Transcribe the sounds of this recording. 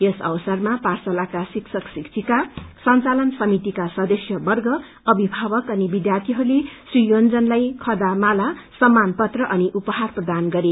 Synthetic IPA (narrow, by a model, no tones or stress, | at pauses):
jesʌ̰wsʌrmaparsalakasiksʰʌksikt͡sʰikasʌnt͡salʌnsʌmit̪ikasʌd̪ʌsjʌbʌrɡʌ | ʌbibʱabʌkʌnibid̪jart̪ʰiɦʌɾulesrijond͡zʌnlajkʰʌd̪amalasʌmːanpʌt̪rʌʔʌniʔupʌɦarprʌd̪anɡʌɾe